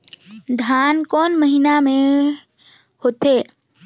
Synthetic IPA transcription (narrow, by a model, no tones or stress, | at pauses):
d̪ʱaːnkɔːnməɦinamẽ | hoːt̪eː